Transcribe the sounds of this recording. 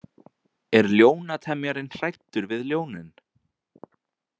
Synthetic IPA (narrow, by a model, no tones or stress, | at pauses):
ɛɾljoːwnat̪ʰɛmjaɾɪnr̥ajt̪ːʏɾvɪðljoːwnɪn